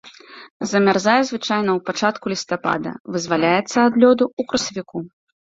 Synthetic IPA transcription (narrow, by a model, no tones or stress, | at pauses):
zɐmʲarzajɛzvɨt͡ʂajnɐwpat͡ʂat̪kulʲist̪apa̰d̪ɐ̰vɨzvalʲajɛt̪sːɐːd̪lʲɔd̪uukɾɐsɐvʲiku